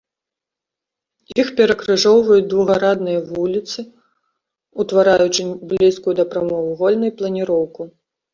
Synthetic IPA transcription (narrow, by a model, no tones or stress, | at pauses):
ixpʲɛɾɐkɾɨʐɔwvɐjud̪vuɣɐɾad̪nɨjɐvulʲit̪sɨ | ut̪vaɾajut͡ʂɨblʲiskujud̪ɐpɾamɔvuɣɔlʲnɐjplˠɐnʲiɾɔwku